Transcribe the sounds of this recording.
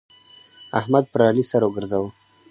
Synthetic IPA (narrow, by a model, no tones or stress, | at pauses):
ahmad̪̚pəɾalisaɾwɡəɾzawu